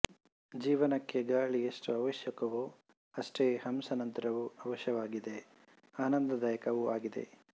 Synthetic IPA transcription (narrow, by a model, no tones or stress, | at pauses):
d͡ʒiːʋɐnɐkːeɡaːɭijɐsʈuɐʋɐʃjɐkɐʋu | ɐsʈeːhɐmsɐnɐnt̪ɐɾɐʋuɐʋɐʃjɐʋaːɡid̪e̞ | aːnɐnd̪ɐd̪ɐjɐkɐʋuaːɡid̪e̞̰